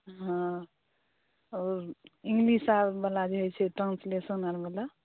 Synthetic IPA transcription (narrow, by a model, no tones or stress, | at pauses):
ɦã | ɔɾiŋɡlisabbəlad͡ʒeɦjt͡ʃʰɛʈɾãnslesənaɾbəla